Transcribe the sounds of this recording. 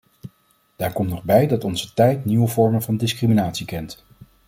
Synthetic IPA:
d̥aːɹkɔmtnɔχbɛjdɑtɔnzətɛjtniʋəvɔɹmənvɑndɪskriminaːtsikɛnt

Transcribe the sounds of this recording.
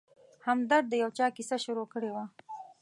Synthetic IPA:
hamd̪aɾd̪̚ːəjawt͡ʃɑkisaʃuɾokəɽewa

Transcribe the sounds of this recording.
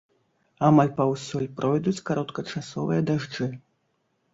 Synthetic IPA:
amalʲpɐwsʲɔlʲpɾʔɔjd̪ut͡sʲkaɾɔt̪kɐt͡ʂasɔvɨjɐd̪aʐd͡ʐɨ

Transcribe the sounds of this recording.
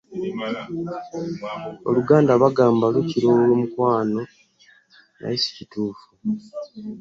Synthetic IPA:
o̰luɡaːndaβaɡaːmbaβeciɾoːolomukwaːno̞ | na̰isi̥cituːfu

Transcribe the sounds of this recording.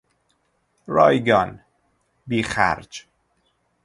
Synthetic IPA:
ɾɒːjɡɒːn | biːxæ̰ɾd͡ʒ

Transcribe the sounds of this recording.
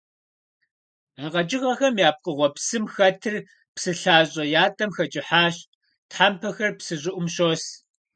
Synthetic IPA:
aːʁɐt͡ʃʼɪʁɐxɐmjaːp̚qʼəʁʷɔpsɨmxɐtʰɨr | psɨɬaːɕʼɐjaːtʼɐmxɐt͡ʃʼɪħaːɕ | tħaːmpʰɐxɐrpsɨʑʼʊʔʷʊmɕoːs

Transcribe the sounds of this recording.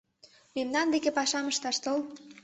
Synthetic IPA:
memnɑnd̪ekepɑʃɑməʃt̪ɑʃt̪ol

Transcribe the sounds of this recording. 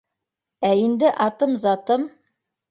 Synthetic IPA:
æind̪ɘʔɑt̪ɤmzɑt̪ɤm

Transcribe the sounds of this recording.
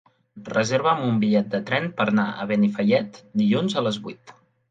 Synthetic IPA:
rəzeɾβəːmumbiʎɛt̪̚d̪ət̪ɾɛnpəɾnaʔə̰β̞enifəʎɛt̪d̪iʎunzələzβuit̪

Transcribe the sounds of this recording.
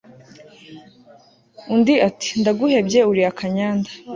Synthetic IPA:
undiati̥ndaɡuhe̞bɟe̞uɾiakʰaɲaːnda

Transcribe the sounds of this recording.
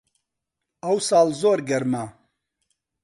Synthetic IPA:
ɐwsɑːlzoːɾɡɐɾma

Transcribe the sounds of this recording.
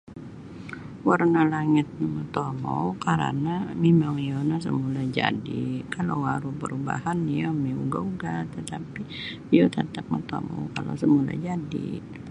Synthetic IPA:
warnalaŋɪt̪̚namət̪omɔwkaɾa̰namemaŋijonas̬ə̰mulad͡ʒadikalowwaɾupəɾuba̰hanijomiuɡauɡat̪ət̪api | ijot̪ət̪ap̚mət̪omo̰wkalo̰səmula̰d͡ʒadḭ

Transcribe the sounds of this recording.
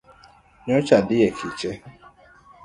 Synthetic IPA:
ɲɔt͡ʃadɪjekʰit͡ʃe

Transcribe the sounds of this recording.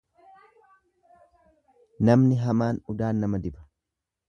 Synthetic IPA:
nɐmnɪɦɐmaːnʊd̪aːnːɐmɐd̪ɪbɐ̥

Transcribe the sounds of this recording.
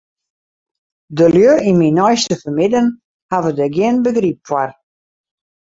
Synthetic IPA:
dəljøʔiminɔjstəfəmɪdən | havədəɡjɪənbəɡrip̚ːwar

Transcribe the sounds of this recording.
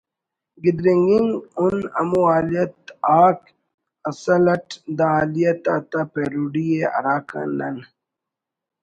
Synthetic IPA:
ɡid̪ɾiŋɡiŋunɐ̰muaːlijɐt̪aːk | ɐsɐlɐʈd̪aaːlijɐt̪aːt̪apeɾuɖieɐ̰ɾaːka̰nɐn

